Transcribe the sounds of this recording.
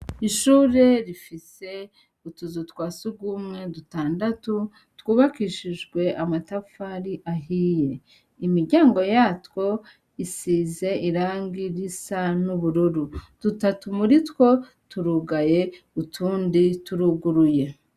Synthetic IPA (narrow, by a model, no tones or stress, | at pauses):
iʃuːɾe̞ɾifise̞ | utuzutwaːsuɡwumŋe̞dutaːndatu | tkuːβakiːʃiʒɡwe̞ʔamatafaɾiʔaɦije̞ | imiɾɟaːŋɡo̞jatwo̞ | isiːze̞iɾaːŋɡiɾisanuβuɾuɾud̥utatumuɾitko̞ | tuɾuɡaje̞ | utʰuːndituɾuɡuɾuje̞